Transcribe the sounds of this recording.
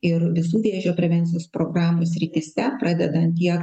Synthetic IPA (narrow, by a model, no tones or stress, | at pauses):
ɪɾʋʲɪsuːʋʲeːʒʲoːpʲɾʲɛʋʲɛnʲt̪sʲɪjoːspɾoːɡɾɑːmuːsʲɾʲɪt̪ʲiːsʲɛpɾɑːd̪ʲɛd̪ɐnt̪ʲiɛk